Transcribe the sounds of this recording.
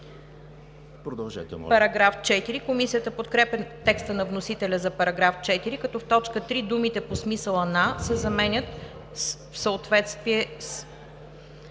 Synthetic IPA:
pɾod̪ɐlˠʒɛ̰t̪ɛ̰pɐɾɐɡɾaft͡ʃɛt̪iɾikomisijət̪əpot̪kɾɛpɛt̪ɛkst̪ənɐvnosit̪ɛlʲəzɐpɐɾɐɡɾaft͡ʃɛt̪iɾikɐt̪ɔft̪ɔt͡ʃkət̪ɾid̪umit̪ɛposmisəlˠənasɛzɐmɛnʲət̪ | fsəot̪vɛt̪st̪viɛs

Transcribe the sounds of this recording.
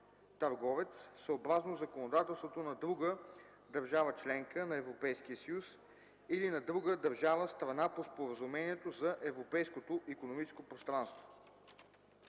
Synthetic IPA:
t̪ɐɾɡɔvɛt̪ssəobɾaznozɐkonod̪at̪ɛlˠst̪vot̪onɐd̪ɾuɡə | d̪ɐɾʒavət͡ʃlɛŋkənɐɛvɾopɛjsk̟iəsəjus | ilinɐd̪ɾuɡəd̪ɐɾʒavəst̪ɾɐnapospoɾəzumɛniɛt̪ozɐʔɛvɾopɛjskot̪oʔikonomit͡ʃɛ̥skopɾost̪ɾanst̪vo̥

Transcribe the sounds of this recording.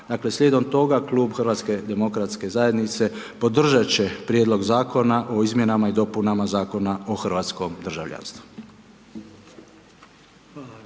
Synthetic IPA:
d̪aːkle̞slʎʲed̪o̞mt̪o̞ɡaklˠuːbxrʋaːt̪ske̞d̪e̞mo̞kɾat̪ske̞zaje̞d̪nit̪se̞ | po̞d̪r̩ʒat͡ɕe̞pɾjed̪lˠo̞ɡzaːko̞naʔo̞izmje̞namaid̪o̞punamazaːko̞naoxr̩ʋaːt̪sko̞md̪r̩ʒa̰ʋʎa̰nst̪ʋu̥

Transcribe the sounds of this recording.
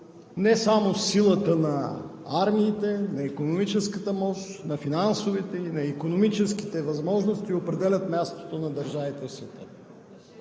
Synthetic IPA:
nɛsamosilˠət̪ənɐaɾmiːt̪ɛnɐikonomit͡ʃɛskət̪əmɔʃt̪nɐfinansovit̪ɛinɐikonomit͡ʃɛsk̟i̥t̪ɛvɐzmɔʒnost̪iopɾɛd̪ɛlʲət̪mʲast̪o̥t̪onɐd̪ɐɾʒavit̪ɛsvɛt̪ə

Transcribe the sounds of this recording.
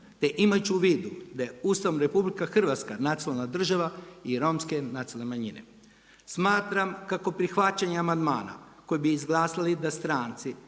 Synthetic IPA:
t̪e̞ʔimajut͡ɕuʋiːd̪ud̪ajeuːst̪aʋnɾe̞publikaxr̩ʋat̪skanat̪sionalˠnad̪r̩ʒaʋaiɾo̞mske̞nat̪ilnemaɲinḛ | smaːt̪ɾamkako̞pɾixʋat͡ɕaɲeamand̪ma̰ːna̰ | ko̞jebiːzɡlˠaːsalid̪ast̪ɾaːnt̪si

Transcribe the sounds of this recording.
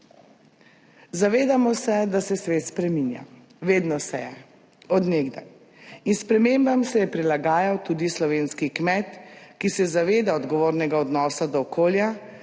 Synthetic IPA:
zaʋeːd̪amɔsɛd̪asɛsʋeːt̪spɾɛminja̰ | ʋeːd̪nɔsɛjɛ | ɔd̪neːɡd̪a̰j | inspɾɛmeːmbamsɛjɛpɾilaɡaːjawt̪uːd̪islɔʋeːnskikmɛt̪kisɛzaʋeːd̪aɔd̪ɡɔʋoːɾnɛɡaɔd̪nɔːsad̪ɔːkoːlja

